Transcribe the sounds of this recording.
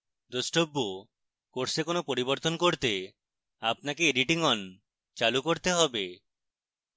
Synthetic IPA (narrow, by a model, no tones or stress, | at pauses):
d̪osʈobːo | koɾsekonopoɾiboɾt̪onkoɾt̪e | apnakeeɖiʈiŋɔn | t͡ʃalukoɾt̪eɦɔbe